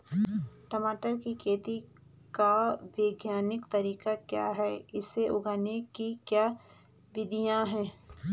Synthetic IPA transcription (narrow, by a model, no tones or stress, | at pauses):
ʈəmaːʈəɾkikʰeːt̪i | kaʋeːɡjaːnɪkt̪ɐɾiːkakja̰ːɦɛɪseʔʊɡaːnekikjaː | ʋɪd̪ʱijãɦɛ̃ː